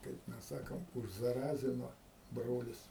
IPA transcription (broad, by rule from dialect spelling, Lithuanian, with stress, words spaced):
kɐɪp ˈmʲɛs ˈsɑːkoːm ʊʒzɐˈrɑːzʲɪnoː ˈbroːlʲɪs